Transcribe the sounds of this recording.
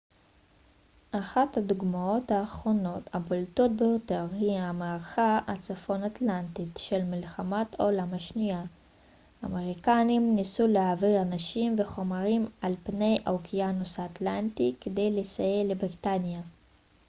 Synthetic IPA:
ʔaχathad̪uɡmao̞thaːχʁo̞no̞thaboltot̚bejo̞te̞ʁhiamaːʁχaat͡safo̞natlantitʃe̞lmilχamatʰolamhaʃnia | a̰meʁikanimnisulehaviʁanaʃimve̞χo̞maʁimalpne̞jʔokʰijanosaatlantikede̞jlesaje̞lebʁitanja

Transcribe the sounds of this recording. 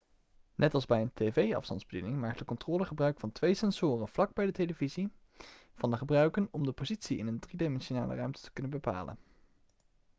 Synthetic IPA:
nʔɛtɑlˠzbɛjəntevejɑ̰fstɑ̰ndzbədḭnɪŋmaːk̚tdəkɔntrɔːləχəbrœɥkfɑntʋejsɛnz̥ʊːrənv̥lɑɡ̚bɛjdətejləvizi | v̥ɑndəχəbrœɥkənɔmdəpozitsiɪnəndridemɛnʃona̰ːlə̰rœɥmtə̥tə̥kɵnənbəpa̰ːlə̰n

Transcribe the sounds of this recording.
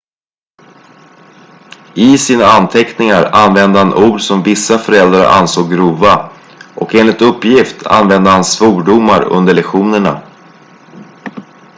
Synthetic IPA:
ɪsiːnaant̪ʰɛknɪŋaɾanvɛnd̪əhanʔuːɖsɔmvɪsːafœɾɛld̪ɾa̰ɾʔa̰nsoːɡɡɾuːva | ʔɔkeːnlɪkt̪ɵpːjɪft̪ʰa̰nvɛnd̪əhansfuːɖʊmːaɾɵ̰nd̪əɭɛkɧuːnəɳa̰

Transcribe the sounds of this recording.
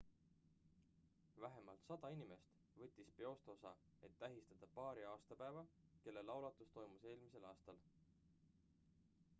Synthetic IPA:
væɦe̞mɑlt̪sɑd̪̥ɑinime̞st̪ | vɤ̞t̪ʲːˑispe̞o̞st̪eo̞sɑ | e̞t̪ːæɦist̪ɑd̪̥ɑpɑːɾiɑːst̪ɑpæevɑke̞lːe̞lɑwlɑt̪ˑust̪o̞jmuse̞ːlmise̞lɑːst̪ɑl

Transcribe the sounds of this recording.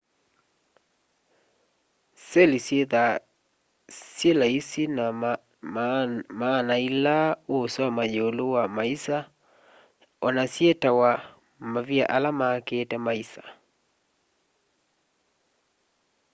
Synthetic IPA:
sɛlisjeða | sjelaisina | manailaosamajoːlowamaisa | ɔnasjetawa | mavia̰ʔalamaketɛmaisḁ

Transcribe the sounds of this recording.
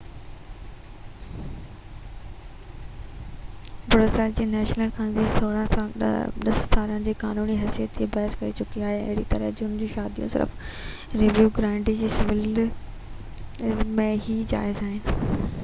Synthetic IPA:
bʊɽəsaːɪld͡ʑiːnɛːʃnəlkʰãːnzisoːɽã | ɗɐsːaːɾə̃nd͡ʑiːkaːnuːniɦɐsijət̪d͡ʑeːbɐːɦskɐɾit͡ɕʊkiaːɦeɐ̰ɦɪɽit̪ɐɾəd͡ʑʊnd͡ʑõːʃaːd̪ijṵ̃sɪ̰ɾf | ɾɪʋjuːɡɾãːɳɖid͡ʑiːsɪʋɪl | mẽɦid͡ʑa̰ːɪzaːɦɪnɪ

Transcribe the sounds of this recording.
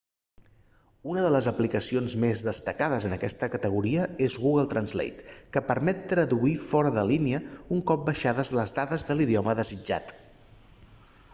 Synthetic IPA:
unəðələzəplikəsionzmezðəst̪əkaðəzənəkɛst̪əkət̪əɣ̞uɾiəezɣuɣəlˠt̪ɾənzlḛjt̪kəpəɾmɛt̪ːɾəðuifɔɾəðəliniəuŋkɔp̚bəʃaðəzləzðaðəzðəliðiɔməðəzid͡ʒa̰t̪

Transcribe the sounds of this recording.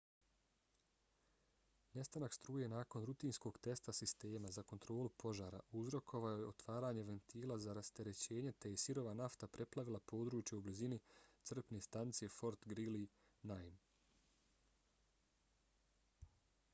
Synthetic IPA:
ne̞st̪anakst̪ɾuːje̞naːko̞nɾut̪iːnsko̞ɡt̪e̞st̪asist̪e̞ːmazako̞nt̪ɾo̞ːlupʰo̞ʒaːɾa̰ʔuzɾo̞kʰo̞ʋaoje̞o̞t̪ʋaːɾaːɲe̞ʋe̞nt̪iːlˠazaɾast̪e̞ɾe̞t͡ɕe̞ːɲe̞t̪e̞jesiɾo̞ʋanaft̪apɾe̞plˠaʋilˠapo̞ːd̪ɾuːt͡ʃjeublizinit̪sr̩pne̞st̪ant̪sije̞fo̞ɾt̪ɡɾili | najm

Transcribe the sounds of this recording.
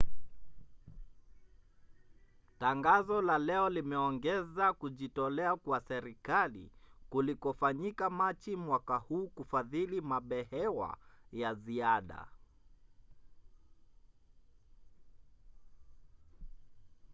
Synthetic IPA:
taŋɡazɔlalɛɔlimɛɔŋɡɛzakuʄitɔlɛakwasɛɾikalḭkulikɔfaɲikamat͡ʃimwakahuːkufaðilimaɓɛhɛwa̰jaziaɗa̰

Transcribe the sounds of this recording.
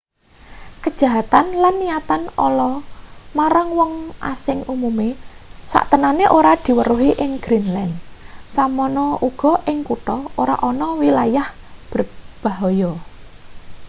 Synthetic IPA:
kəd̥ʒ̥a̤ɦat̪anlanːiat̪anɔlɔmaɾaŋwɔŋʔa̰sɪŋumumesa̰ʔt̪ənaneʔoɾad̪̥i̤wəɾuɦiʔɪŋɡ̥ɾinlansamɔnɔʔuɡ̥ɔ̤ʔɪŋkut̪ɔoɾa̰ʔɔnɔwilajah | b̥əb̥a̤ɦɔjɔ

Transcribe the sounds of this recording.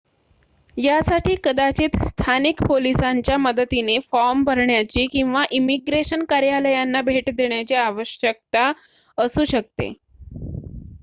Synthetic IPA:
jasaʈiːkəd̪at͡ɕiːt̪st̪ʰanikpolisaɲt͡ɕjaməd̪ət̪inefɔɾmbʱəɾɳjat͡ɕiːkĩw̃ʋaʔimiɡɾeɕənkaɾjaləjanːabʱeʈd̪eɳ̃jat͡ɕiaʋəɕjək̚t̪a | əsuːɕək̚t̪ḛ

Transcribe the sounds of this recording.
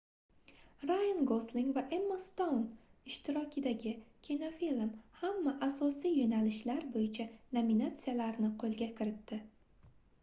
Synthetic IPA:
ɾajanɡoslɪŋvaʔemːast̪ownɪʃt̪ʰɪɾɒkʲʰɪd̪aɡʲɪkʲʰino̞filmhamːaʔasɒsijjonalɪʃlaɾbojɪt͡ʃʰanominat̪sɨjalaɾnɪqʰolˠɡʲakʲʰɪɾɪt̪ːɪ

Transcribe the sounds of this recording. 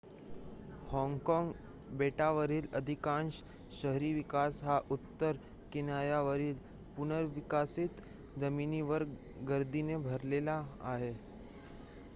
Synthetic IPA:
hɔ̃ŋɡkɔŋɡ | beʈaʋəɾiːləd̪ʱikãɳɕ | ɕəɦɾiːʋikasɦaʔut̪ːəɾ | kinjajaʋəɾiːl | punəɾʋikasit̪ | d͡zəmiːniʋəɾ | ɡəɾd̪inebʱəɾlela̰ːɦe

